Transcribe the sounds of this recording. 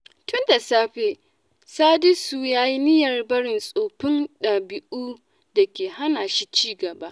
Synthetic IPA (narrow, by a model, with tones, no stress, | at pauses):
tʰʊ˦nda˨saː˦ɸeː˨ | saː˦dɪ˦suː˨jaː˦ji˦nɪ˦jɐ˨rbɐ˦ɽɪ˨nsʼoː˨ɸɪ˦nɗaː˨bɪ˨ʔuː˦ | da˨kʲeː˨ha˦naː˨ʃi˦t͡ʃiː˦ɡɐ˨ba˦ʔ